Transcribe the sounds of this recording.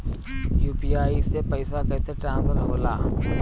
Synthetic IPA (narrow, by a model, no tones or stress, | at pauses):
juːpiːaːisepəɪsakəːseʈɾãːnsəɾɦoːla̰ː